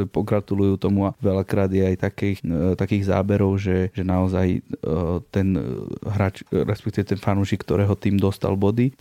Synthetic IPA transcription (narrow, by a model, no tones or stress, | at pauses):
pɔɡɾat̪ulujuːt̪ɔmuaʋɛlakɾaːd̪jɛajt̪akɛxt̪akiːɣza̰ːbɛɾɔʊʒɛʒɛnaɔzaj | t̪ɛnɦɾaːt͡ʃɾɛ̰spɛkt̪iʋɛt̪ɛnfanuːʃikːt̪ɔɾɛːɦɔt̪iːmd̪ɔst̪a̰lbɔd̪i